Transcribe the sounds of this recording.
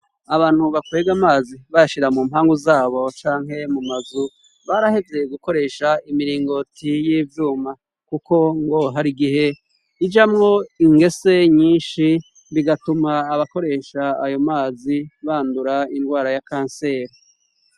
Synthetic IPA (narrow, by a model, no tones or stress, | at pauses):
aβaːn̥huβakwe̞ːɡamaːziβajaʃiɾamuːmhaːŋɡuzaːβo̞t͡ʃaːŋɦe̞mumazu | βaɾahe̞vjejeɡuko̞ɾe̞ːʃaimiɾiːŋɡo̞tijiːvjuːma | kuko̞ŋɡo̞ɦaɾiɡiɦe̞ | id͡ʒamŋo̞iŋɡe̞se̞ɲiːnʃi | βiɡatumaːβako̞ɾe̞ːʃaːjo̞maːziβaːnduɾaindɡwaːɾajakaːnse̞ːɾe